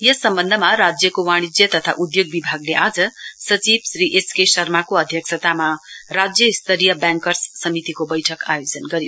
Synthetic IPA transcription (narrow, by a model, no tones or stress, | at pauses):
jʌsʌmbʌnd̪ʱəmaɾad͡zjʌkowaɽ̃id͡zjʌt̪ʌt̪ʰa̰ʔud̪joɡ̚bibʱaɡleʔad͡zʌsʌt͡sibsɾiʔeskesʌrmakoʌd̪ʱjʌksʰʌt̪amarad͡zjʌist̪ʌɾijʌbjãŋkʌrsːʌmit̪ikobʌjʈʰʌkajod͡zʌnɡʌɾjo